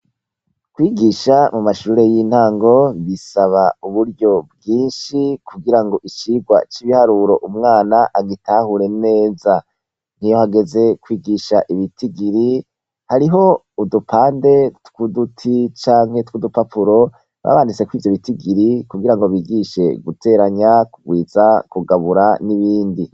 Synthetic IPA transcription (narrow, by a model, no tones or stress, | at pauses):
kwiːɡiːʃamumaʃuːɾe̞jin̥haːŋɡo̞βisaβauβuɾɟo̞b̚ɡiːnʃikʰuɡiɾaŋɡo̞ʔit͡ʃiɡwa̰t͡ʃiβihaɾuɾo̞ʔumŋaːnaʔaɡitʰaːhuɾe̞ne̞ːza | n̥ijo̞haɡe̞ze̞kwiːɡiʃaʔiβitʰiɡiɾi | haɾiɦo̞ | udupʰaːnde̞tkudutʰit͡ʃaːŋhetkudupapʰuɾo̞ | βa̰βanit͡sekwiːvjo̞βitiɡiɾikuɡiɾaŋɡo̞βiːɡiʃe̞̰ɡutʰe̞ːɾaɲakuɡwiːz̥akuɡaβuɾaniβiːndi